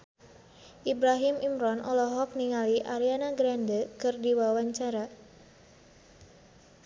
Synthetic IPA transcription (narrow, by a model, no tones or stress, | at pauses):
ʔibɾaɦimimɾɔnʔɔ̰lɔɦɔk̚niŋaliʔaɾianaɡɾandəkɨrdiwawaɲt͡ʃaɾa